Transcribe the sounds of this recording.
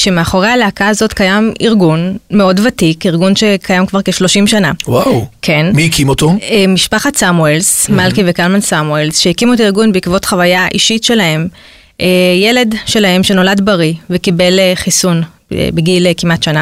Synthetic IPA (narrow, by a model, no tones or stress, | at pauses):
ʃemeaχo̞ʁealeakaːzo̞tkajamiʁɡunme̞o̞dvatikiʁɡunʃe̞kʰajamkvaʁkeʃlo̞ʃimʃanawawkʰe̞nmiikʰimot̪oemiʃpaχatsamuelsmalkivekalmansamuelsʃeikimot̬aiʁɡunbeikvo̞tχavajaʔḭʃitʃe̞lahe̞m | ʔeje̞le̞dʃe̞lahe̞mʃe̞no̞ladbaʁivekibe̞leχisun̰ | biɡilkimatʃana